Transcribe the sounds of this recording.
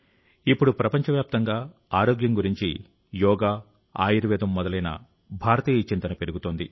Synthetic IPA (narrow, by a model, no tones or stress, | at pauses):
ipːuɽupɾɐpɐɲt͡ʃɐʋjaːp̚t̪ɐŋɡaː | aːɾoːɡjɐmɡuɾiɲt͡ʃḭ | jɔːɡaː | a̰ːjiɾɐʋɛːd̪ɐmːɔd̪ɐlɐjnɐ̰ | bʱaːɾɐt̪iːjɐt͡ʃint̪ɐnɐpe̞ɾuɡut̪oːnd̪i